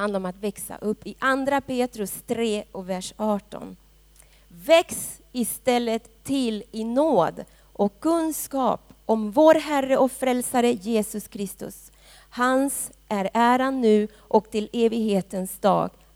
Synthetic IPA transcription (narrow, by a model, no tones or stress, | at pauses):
and̪laɾɔmat̪vɛksa̰ʔɵpːɪʔand̪ɾapeːt̪ɾɵst̪ʰɾeːɔvæʂɑːʈɔ̰n | vɛks | ɪst̪ɛlːət̪ʰːɪlɪnoːd̪ | ʔɔkʰːɵnskɑ̰ːpʔɔmvoːɾɦæɾːəʔɔkfɾɛlsaɾəjeːsɵskʰɾɪst̪ɵ̰s | hans | ʔæɾæːɾanːʉ̟ː | ʔɔkt̪ʰɪleːvɪɡɦeːt̪ənsd̪ɑ̰ːɡ